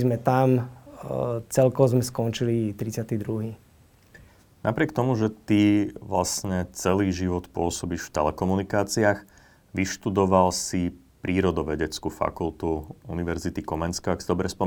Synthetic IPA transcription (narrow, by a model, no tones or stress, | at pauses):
zmɛt̪am | t͡sɛlkɔzmɛskɔnt͡ʃilit̪ɾit͡sɪat̪id̪ɾuɦiː | napɾɪɛk̚t̪ɔmuʒɛt̪iʋla̰sɲɛt͡sɛliːʒiʋɔt̪pʊɔsɔbiːʃft̪ɛlɛkɔmunikaːt͡siaːx | ʋiʃt̪ud̪ɔʋalsi | pɾiːɾɔd̪ɔʋɛɟɛt͡skufa̰kult̪uuniʋɛɾzit̪ikɔmɛnskaaksid̪ɔbɾɛspɔ